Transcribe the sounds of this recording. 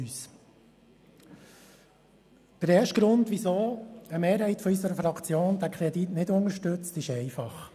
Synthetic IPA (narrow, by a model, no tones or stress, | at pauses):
yːs | d̪̥əɾɛːʃtɡ̥ɾʊndʋisoːəmeːɾɦɛɪtfɔysəɾəfɾɑkt͡sjoːnd̥̪ækʰɾɛditnɪdʊŋəʃtɵt͡stɪʃɛɪfɑχ